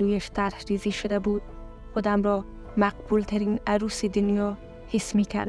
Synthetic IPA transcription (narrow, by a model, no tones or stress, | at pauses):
ujæʃt̪ʰæɾhɾiziʃʊd̪æbuːd̪̥̚ | χod̪æmɾɒː | mæqbult̪ʰæɾiːnæɾusid̪ʊnjɒː | hesmiːkʰæ̰ɾ